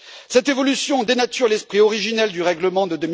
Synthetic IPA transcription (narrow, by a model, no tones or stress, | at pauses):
sɛt̪evɔlysjɔ̃d̪enat̪yʁelɛspχiɔʁiʒinɛld̪yʁɛɡləmɑ̃d̪əd̪əm